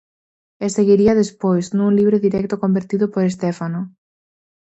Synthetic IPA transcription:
eseɣiɾiɐðespojznuŋliβɾoðiɾɛk̚t̪ʊkombeɾt̪iðʊpoɾes̬t̪ɛfanʊ

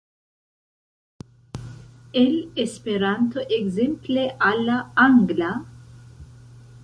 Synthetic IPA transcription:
ɛlespeɾant̪oʔeɡzempleʔalːaaŋɡla

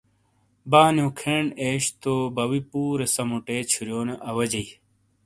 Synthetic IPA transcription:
baːnjõːkʰeɳeːɕt̪obɐwipuːɾesɐmuʈeːt͡ɕʰuɾjoːneʔɐwɐd͡ʑɐi

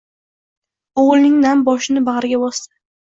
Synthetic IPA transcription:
oʁlˠnɪŋnanbɒʃɪnɪbaʁɾɪɡʲabɒst̪ḁ

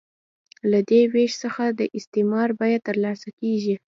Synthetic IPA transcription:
lad̪eweʃsəxad̪əʔɪst̪emɑɾbɑjad̪̚t̪əɾlɑsakeʒi

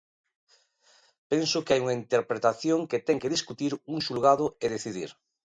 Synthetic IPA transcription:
pensokeajuŋaint̪eɾpɾet̪aθjoŋket̪eŋkeðiskut̪iɾuŋʃulɣað̞oeð̞eθiðḭɾ

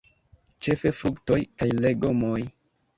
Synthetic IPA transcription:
t͡ʃe̞fe̞fɾukto̞jkajle̞ɡo̞moj

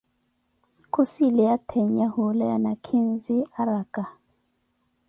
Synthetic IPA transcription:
kʰusilɛjatʰɛɲahulajanakʰinziaɾakʼa

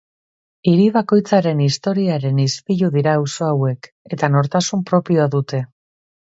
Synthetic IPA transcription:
iɾiβako̞jt͡saɾe̞nist̪o̞ɾiaɾe̞nispiʎuðiɾaːwso̞awe̞k | e̞t̪ano̞ɾt̪asumpɾo̞pio̞aðut̪e̞

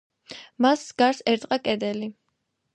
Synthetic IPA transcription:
masɡaɾsɛɾt̪ʼqʼakʼɛd̪ɛli

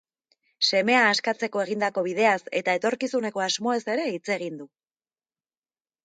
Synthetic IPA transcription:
se̞me̞aːskat͡se̞ko̞e̞ɣ̞ind̪ako̞βiðe̞ase̞̰t̪ae̞t̪o̞ɾkisune̞ko̞azmo̞e̞se̞ɾe̞it͡se̞ɣ̞ind̪u

